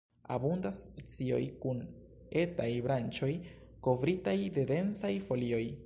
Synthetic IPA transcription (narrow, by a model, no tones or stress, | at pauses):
a̰bundaspet͡sio̞̰jkun | e̞tajbɾant͡ʃo̞j | ko̞vɾitajde̞de̞nsajfo̞lio̞j